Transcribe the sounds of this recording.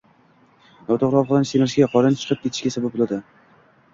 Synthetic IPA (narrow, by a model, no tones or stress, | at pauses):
nɒwt̪ʰoʁɾɒlˠqɨlˠansemɪɾʃʲaqʰɒɾɪnt͡ʃʰɨ̥qʰɨp̚kʲʰet̪ʰɪ̥ʃkʲasabap̚bolˠad̪ɪ